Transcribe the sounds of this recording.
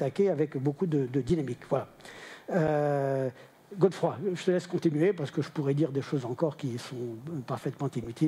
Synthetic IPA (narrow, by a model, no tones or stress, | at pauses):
t̪akʲeavɛkbokud̪əd̪əd̪inamikvwala | ø | ɡod̪fχwaʒət̪əlɛskɔ̃t̪inɥepaʁsə̥kəʒəpuʁɛd̪iʁd̪eʃozɑ̃kɔʁkʲisɔ̃paʁfɛt̪mɑ̃t̪inyt̪ʰi